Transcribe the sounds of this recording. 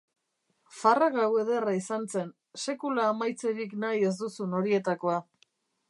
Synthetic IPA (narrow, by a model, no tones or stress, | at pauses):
faraɣawe̞ðe̞raisant͡se̞n | se̞kulaːmajt͡se̞ɾiknaje̞zd̪usuno̞ɾie̞t̪ako̞a